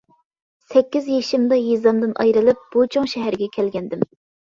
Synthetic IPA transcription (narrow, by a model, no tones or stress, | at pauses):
sɛkʲːizjeʃɪmd̪ɑjizɑmd̪ɨnɑ̰jɾɨlˠɨp̚b̥ut͡ʃʰoŋʃɛɦæɾɪɡʲɛkʲʰɛlɡʲɛnd̪ɪm